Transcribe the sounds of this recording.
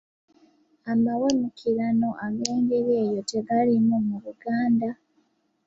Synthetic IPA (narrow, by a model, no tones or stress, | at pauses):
amawemukʰiɾano̞ʔaɡe̞ːŋɡeɾeːjo̞te̞ɡalimumuɾuɡaːnda